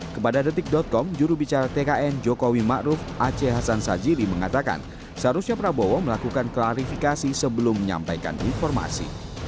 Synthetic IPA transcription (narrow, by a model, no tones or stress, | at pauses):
kəpadadət̪ɪk̚dɔt̪̚kɔmd͡ʒuɾubit͡ʃaɾat̪ekaʔɛnd͡ʒokowimaʔɾʊfʔat͡ʃeɦasansad͡ʒiliməŋat̪aka̰n | sɦaɾusɲapəɾabowɔməlakukanklaɾifikasisəbəlʊmːəɲa̰mpajka̰nḭnfɔrma̰sḭ